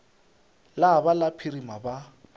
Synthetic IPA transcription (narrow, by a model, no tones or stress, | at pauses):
labalapʰirimaba